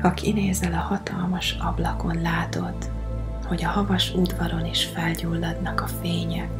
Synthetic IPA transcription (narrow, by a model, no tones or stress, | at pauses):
ɒkineːzɛlɒhɒt̪ɒlmɒʃɒblɒko̞nlaːt̪o̞t̪ː | ho̞ɟɒhɒvɒʃud̪vɒɾo̞niʃfɛlɟuːlːɒd̪nɒkɒfeːɲɛ